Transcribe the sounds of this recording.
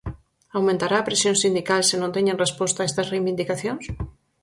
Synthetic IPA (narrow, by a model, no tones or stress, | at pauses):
awmẽnt̪aɾaːpɾesjõnsind̪ikalsenõnt̪eɲẽŋrespɔst̪aest̪ɐsrejβind̪ikaθjõŋs